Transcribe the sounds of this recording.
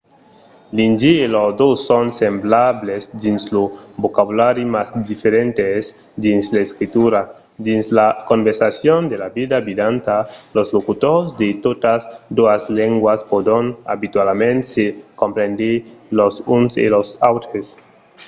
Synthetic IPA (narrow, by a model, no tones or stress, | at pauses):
lind͡ʒiːlozd̪osːonsemblaβlesd̪inslobokaβulaɾjimasd̪ifeɾent̪es | d̪inslaeskɾit̪uɾa | d̪inslakõmbeɾsasjond̪elabiðabid̪ant̪alozlokut̪oɾzd̪et̪ot̪asd̪oasleŋɡwaspod̪ona̰βit̪walmẽnt̪sekompɾend̪elosunsḛlosawt̪ɾes